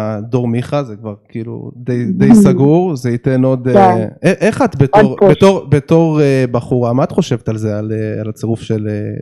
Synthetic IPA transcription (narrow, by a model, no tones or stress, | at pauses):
d̪o̞ʁmiχazekvaʁkiːlṵd̪ejd̪ejjsaɡuʁzeit̪eno̞d̪eeʔeχat̪bet̪oʁbeoʁbet̪o̞ʁebaχuʁamaat̪χo̞ʃe̞vet̪alzealea̰lat͡seʁufʃele